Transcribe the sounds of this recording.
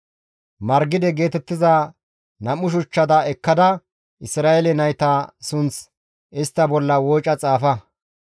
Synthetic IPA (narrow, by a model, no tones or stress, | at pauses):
mɐɾɡɪd̪ɛɡe̞ːt̪ɛt̪ːɪzɐ | nɐmʊʃ̬ʊt͡ʃːɐd̪ɐɛkːɐd̪ɐ | ʔɪsɾaːelɛnɐjt̪ɐsʊnt͡s | ɪst̪ːɐbɔlːɐwoːt͡ʃʼɐt͡sʼaːfɐ